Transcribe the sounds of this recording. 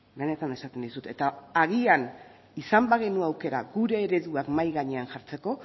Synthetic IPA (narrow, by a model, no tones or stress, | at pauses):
bene̞t̪ane̞sat̪e̞nd̪isut̪e̞t̪aaɣian | isambaɣenuawke̞ɾa̰ɣuɾe̞ːɾe̞ðuakmajɣaɲe̞anʝaɾt͡se̞ko̞